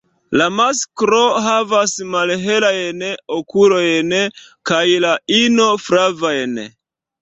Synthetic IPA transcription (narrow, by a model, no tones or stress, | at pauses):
lamaskɾo̞ɦavasmalɦe̞lajnokulo̞jnkajlaino̞fɾavajn